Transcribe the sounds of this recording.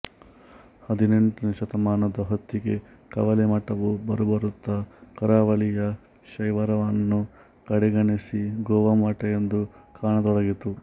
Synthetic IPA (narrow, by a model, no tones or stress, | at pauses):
hɐd̪ine̞ɳʈuniʃɐt̪ɐmaːnɐd̪ɐɦot̪ːiɡe | kɐʋɐlemɐʈːɐʋubɐɾubɐɾut̪ːɐkɐɾaːʋɐɭijɐ | ʃɐjʋɐɾɐʋɐnːu | kɐɽɛɡɐɳisiɡɔːʋɐmɐʈɐjend̪ukʰaːɳɐd̪ɔɽɐɡit̪u